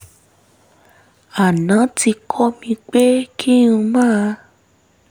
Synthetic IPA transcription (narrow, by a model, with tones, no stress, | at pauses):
a˨nã˨˦ti˧kʰɔ˦mĩ˧k͡pe˦kʰi˦nũ˧mãː˦a˧